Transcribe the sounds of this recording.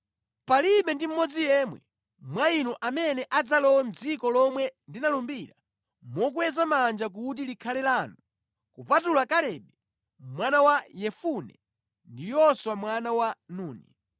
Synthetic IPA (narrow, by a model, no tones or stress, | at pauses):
paliɓɛndim̩mɔd͡zijɛmwɛ̰ | mwainɔʔamɛnɛʔad͡zalɔwɛm̩d͡zikɔlɔmwɛndinalumbiɾa | mɔk̬uwɛzamand͡ʒak̬ut̬ilikʰalɛlaːnu | kupatulakalɛɓɛ | mwanawajɛfunɛ̰ | ndijɔswamwanawanuːnḭ